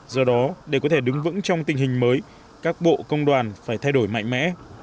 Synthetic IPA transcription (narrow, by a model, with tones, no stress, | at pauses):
zɔ˨˧˩ɗɔ˨˦ɗe˧˩kɔ˨˦t̪ʰe˧˩ɗɨ˨˦ŋvɨ̰˧˥ŋt͡ɕɔ˧wŋ͡mt̪ï˨˩ŋ̟hï˨˩ŋ̟məː˨˦j | kaː˦˥k̚ɓo̰˧˨kə˧wŋ͡mɗwaː˨˩nfaː˧˩jt̪ʰa˧jɗo˧˩jma̰˧˨jŋ̟mɛ̰˧˥